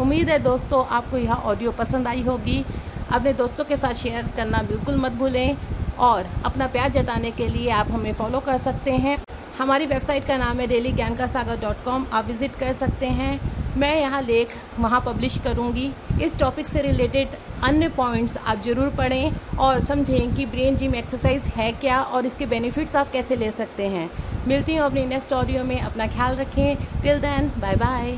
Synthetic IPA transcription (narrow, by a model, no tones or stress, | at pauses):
ʊmːiːd̪ɦɛd̪oːst̪õʔaːp̚kojɐɦãʔɔːɖijopɐsə̃nd̪aːiɦoːɡiːɐ̰pned̪oːst̪õkesaːt̪ʃeːjəɾkɐɾnabɪlkʊlmɐt̪̚bʱuːlẽɔːɾɐ̰pnapjaːɾd͡ʒɐt̪aːnekelieaːpɦɐmẽfɔːlokɐɾsɐk̚t̪eɦɛ̃ | hɐmaːɾiʋeːbsaːɪʈkanaːmɦɛ̃ɖeːliɡjaːnkasaːɡaɖɔːʈkɔːmaːpʋɪzɪʈkɐɾsɐk̚t̪eɦɛ̃mɛ̃ːjɐɦãleːkʰ | ʋɐɦãpɐblɪʃʈkɐɾũːɡiɪsʈɔːpɪkseɾɪleːʈɪɖɐnjəpɔːɪ̃ɳʈsa̰ːp̚zɐɾuːɾpɐɽẽɔːɾsɐ̃md͡ʒʱẽkibɾẽːnd͡ʒiːmeːksəɾsaːɪzɦɛkjaːʔɔːɾɪskebɛːnɪfɪʈsaːp̚kɛːseleːsɐk̚t̪eɦɛ̃ːmɪlt̪iɦũɐp̬ninɛksʈɔːɖijomẽʔɐpnakʰjaːlɾɐkʰːẽkɪld̪ɛːnbaːjbaːɪ